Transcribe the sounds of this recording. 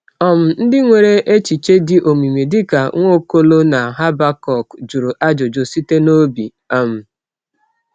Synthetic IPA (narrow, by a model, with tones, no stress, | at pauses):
ɔ˨m̩˨n̩˦dɪ˦ŋʷe˨ɾe˦ʔe˦t͡ʃi˨t͡ʃe˦dɪ˦ʔo˨mi˨me˨dɪ˦ka˨˦ŋʷo˦ko˦lo˦na˨ɦa˦ba˦kɔ˨kd͡ʒu˨ɾu˨ʔa˦d͡ʒo˨d͡ʒo˨si˦te˦no˦bi˨ | a˦m̩˨